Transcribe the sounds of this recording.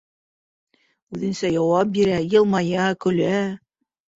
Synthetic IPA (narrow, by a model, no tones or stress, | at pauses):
ʉðɘ̆nsæjɑwɑp̚biɾæjɤ̆lˠmɑjɑkɵ̆læ